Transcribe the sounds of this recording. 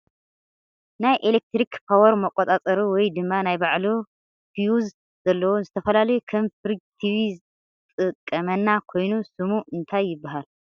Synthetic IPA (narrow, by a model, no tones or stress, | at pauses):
najʔelek̚t̪ɾikpʰawɐɾmɐkʷʼot̪ʼat͡sʼɐɾiwɔjd̪ɨmːanajbaʕlu | fʰijuz | z̥ɐlːɐwozɨt̪ʰɐfɐlalɐjukʰɐmfɨɾd͡ʒt̪ʰiβi | t̪ʼɨkʼːɐmɐnːakʰo̞jnusɨmuɨnt̪ʰajːɪbːaɦal